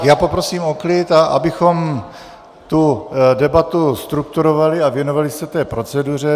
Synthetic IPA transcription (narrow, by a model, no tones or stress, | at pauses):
jaːpo̞pɾosiːmoklɪt̪aʔa̰bɪxo̞m | t̪udɛbat̪ust̪ɾuk̚t̪uɾovalɪavjɛnovalɪsɛt̪ɛːpɾo̞t͡sɛdur̝ɛ